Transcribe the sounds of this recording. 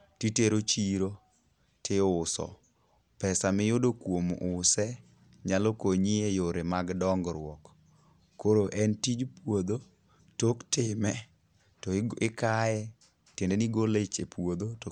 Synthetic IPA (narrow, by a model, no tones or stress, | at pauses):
titeɾot͡ʃiɾo | tʰɪʊsɔ̰ | pɛsamɪjodokwomʔʊsɛ | ɲalɔkoɲiejoɾemaɡdɔŋɡɾwɔkː | oɾoʔɛntid͡ʒpwod̪o | toktɪmɛ | tɔɪkajɛ | tendeniɡolet͡ʃepwod̪ot